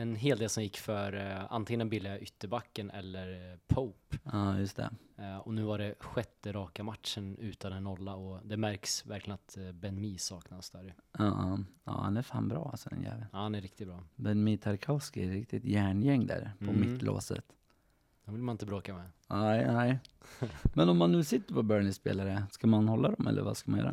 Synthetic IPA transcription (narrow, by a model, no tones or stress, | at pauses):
ɛnɦeːld̪eːlsɔmjɪkːfœɾa̰nt̪ɪŋənɛnbɪlːɪaʔʏt̪ːəɾbakːənʔɛ̰lːəɾpʰoʊpɑːjɵst̪ʰɛ̰ɔnʉ̟ːvaɖɛɧɛt̪ːəɾɑːkamat̪ʂənʉ̟ːt̪and̪ɛnːɔlːaɔd̪ɛmæɾksvæɾklɪənat̪bɛnmiːsɑːknad̪sd̪æːɾjɵɑɑ̰ːha̰næɾfa̰ːnbɾɑːalsɔd̪ɛ̰njæ̰ːvlənːhanæɾɪk̚t̪ɪt̪bɾɑːbɛnmiːt̪ʰaɾkʰaʊskɪɛɾɪk̚t̪ɪt̪jæːɳjɛŋːd̪æ̰ːɾpʰɔmɪt̪ːlʔo̰ːsə̰t̪ | d̪̥ɛmvɪlːmanɪnt̪əbɾoːkamɛnɛɪnɛɪ | mɛnɔmːanːʉ̟ːsɪt̪ːəɾpʰɔbœːɳɪspeːlaɾəskamanhɔlːad̪ɔmʔɛ̰lːə̰ɾva̰skamanjœ̰ːɾa̰